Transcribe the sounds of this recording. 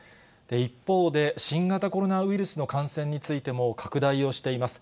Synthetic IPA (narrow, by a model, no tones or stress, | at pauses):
d̪̥e̞ipːo̞ːd̪e̞ɕĩŋɡat̪ako̞ɾo̞naɯ̟iɾɯ̟sɨno̞kãɰ̃sẽɲ̟ːit͡sɨit̪e̞mo̞kʰakɯ̟d̪aio̞ɕi̥t̪e̞imasɨ̥